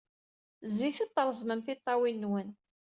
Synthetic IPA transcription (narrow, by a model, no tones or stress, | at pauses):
ziθət̪ˤːəɾˤzməmθit̪ˤːɑwinːwən